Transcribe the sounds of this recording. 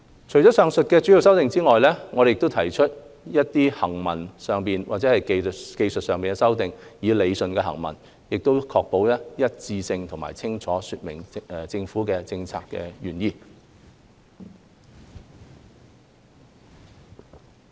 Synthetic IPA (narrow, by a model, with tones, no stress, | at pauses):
t͡ʃʰɵ˨˩jt͡ʃɔː˨˥sœː˨˧ŋsɵ˨t̚kɛː˧t͡ʃy˨˥i˥˨ws̬ɐ˥wt̪ɪ˨ŋt͡siː˥ŋɔː˨jlɛː˥ŋɔː˨˧ɾe˨jɪkt̪o˥wt̪ʰɐ˨˩jt͡ʃʰɵ˥t̚jɐ˥t̚t̪iː˥hɐ˨˩ŋmɐ̰˨˩nsœː˨ŋpiː˨nwʔaː˨t̚t͡sɛː˨˧˥ɐ˨jke˧ke˧jsɵ˨t̚sœː˨ŋmpiː˨nkɛ˧sɐ˥wt̪ɪ˨ŋjiː˨˧le˨˧jsɵ˨nkɛː˧ɦɐ̰˨˩ŋmɐ̰˨˩n | jɪ˨k̚t̪o˥wkʰɔː˧k̚po˨˥wjɐ˥jɐ˥t̚t͡siː˧sɪ˧ŋt̪ʰʊ˨˩ŋma̰ː˨˩jt͡sʰɪ˥ŋt͡ʃʰɔː˨˥syː˧t̚mɪ˨˩ŋ˨t͡sɪ˧ŋfuː˨˥kɛː˧t͡sɪ˧ŋt͡sʰa̰ː˨kːɛ̰ː˧jyː˨˩njiː˧